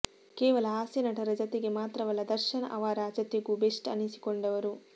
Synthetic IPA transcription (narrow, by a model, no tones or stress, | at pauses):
kɛːʋɐlɐaːsjɐnɐʈɐɾɐd͡ʒɐt̪eɡe̞maːt̪ɾɐʋɐlːɐd̪ɐɾʃɐnɐʔɐʋaːɾaːd͡ʒɐt̪eɡubeʂʈɐ̰nisi̥koɳɖɐʋɐɾu